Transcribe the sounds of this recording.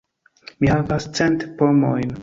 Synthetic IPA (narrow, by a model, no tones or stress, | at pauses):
mihavast͡sɛntpomojn